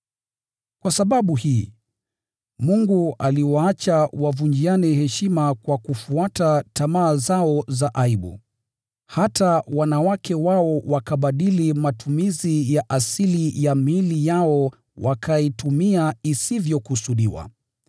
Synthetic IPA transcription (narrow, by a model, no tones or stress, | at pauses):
kwasaɓaɓuhiː | muŋɡualiwaat͡ʃawavund͡ʒianɛhɛʃimakwakufuatatamaːzaɔzaʔaiɓṵ | hatawanawakʰɛwaɔwakaɓaɗilimatumizijaʔasilijamilijaɔ | wakʰaitumiaisivjɔkusuɗiwa̰